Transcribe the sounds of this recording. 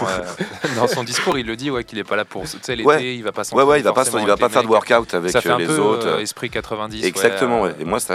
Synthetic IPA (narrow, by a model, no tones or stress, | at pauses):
d̪ɑ̃sɔ̃d̪iskuʁilːəd̪iwɛkʲilɛpalapuʁt̪sɛlewɛeilvapasɑ̃wɛwɛilvapasilvapafɛʁd̪əwœʁkawt̪avɛskɛ̃lezot̪χespχikat̪χəvɛ̃d̪isɛɡzak̚t̪əmɑ̃wɛemwasa